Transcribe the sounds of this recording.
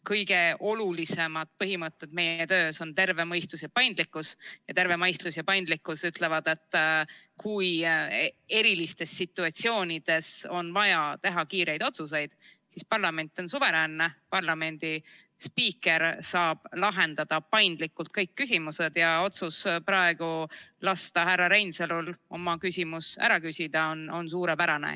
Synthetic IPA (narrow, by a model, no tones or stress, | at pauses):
kɤjɡ̥e̞o̞lulise̞mɑd̪̥pɤɦimət̪ːˑe̞t̪̚me̞jet̪ø̞ːso̞nt̪e̞rve̞mɤjst̪lusjɑpɑjnd̪likːˑusjɑt̪e̞ɾve̞mɑjst̪lusjɑpɑjnd̪likːˑusyt̪ˑle̞vɑd̪e̞t̪ːˑ | kuj | e̞ɾilist̪e̞sːit̪ːˑuɑt̪sio̞ːnʲid̪̥e̞so̞nvɑjɑt̪e̞ɦɑkiːɾe̞jd̪o̞t̪sus̬e̞jd̪̥ | sispɑrlɑme̞nʲt̪ːˑo̞nsuve̞ɾænːepɑrlɑme̞nʲd̪̥i | spiːke̞ɾsɑːb̥lɑɦe̞nd̪̥ɑd̪̥ɑpɑjnd̪̥likːˑult̪̚kɤjkːysʲimuse̞d̪̥jɑo̞t̪suspɾɑe̞ɡ̥ulɑst̪ɑɦærːɑɾejnselulo̞mɑkysʲimusæ̰ɾɑkysʲid̪̥ɑono̞nsuːɾepæɾɑnḛ